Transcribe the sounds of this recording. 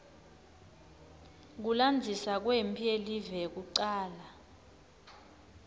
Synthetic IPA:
k̬uland͡zʱisak̬wempʰielivɛk̬uǀaːla

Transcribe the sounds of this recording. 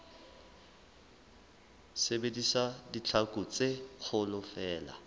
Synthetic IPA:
sebedisadit͡ɬʰakʼʊt͡sʼek͡xʰʊlʊfɛːla̰

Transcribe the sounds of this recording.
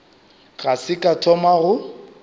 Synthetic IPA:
ɣasɪkʼatʰɔmaɣʊ

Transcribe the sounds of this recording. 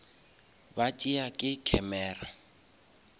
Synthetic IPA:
batʼiakʼɪkʰɛmɛːra

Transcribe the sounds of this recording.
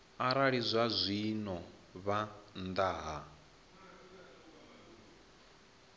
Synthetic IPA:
aɾaɺizʷazʷinɔ | βand̪aːɦa

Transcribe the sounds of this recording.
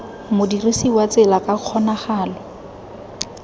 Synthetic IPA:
mʊdirisiwat͡sɪlakʼaq͡χʰɔnaχaːlɔ

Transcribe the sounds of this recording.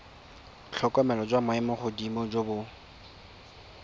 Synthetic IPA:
t͡ɬʰɔkʼɔmɛlɔd͡ʒwamʊɛmʊχʊdimɔd͡ʒobʊ

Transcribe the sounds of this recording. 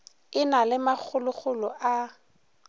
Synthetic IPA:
ɪnalɪmak͡xʰʊlʊk͡xʰʊlʊʔa

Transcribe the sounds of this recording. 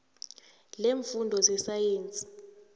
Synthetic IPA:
leɱfundʱɔzɛsajeːnt͡sʼi̥

